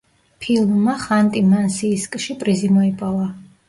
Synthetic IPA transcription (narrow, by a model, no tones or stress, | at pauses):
pʰilˠmmaχant̪ʼimansiːskʼʃipʼɾizimɔipʼava